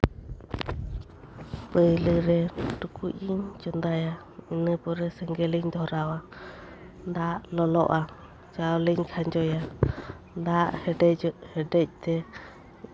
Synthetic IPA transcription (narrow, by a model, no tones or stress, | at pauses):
pəjlɯɾɛʈukuʔiɲd͡ʒɔnd̪aja | inəpɔɾɛsɛŋɡɛliɲd̪ʱɔɾawa | nd̪aʔlɔlɔʔa | d͡ʒawliɲkʰaɲd͡ʒɔja | nd̪aʔhɛɖɛhɛɖɛc̚ˀt̪ɛ